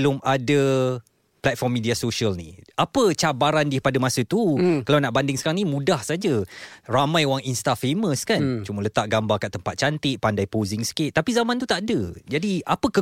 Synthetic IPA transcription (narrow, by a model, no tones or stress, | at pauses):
lʊmadə | plat̪̚fɔrmːidiasoʃialnḭapət͡ʃabaɾandəhpadəmasət̪ukalawnaʔbandɪŋsəkaɾaŋnimũdahsad͡ʒəramãjowaŋinst̪afeməskant͡ʃumələt̪aʔɡambakaʔt̪əmpat̪̚t͡ʃant̪ɪʔ̚pandajpozɪŋsə̥kɪt̪̚tːapizamant̪ut̪aʔdəd͡ʒadiapəkə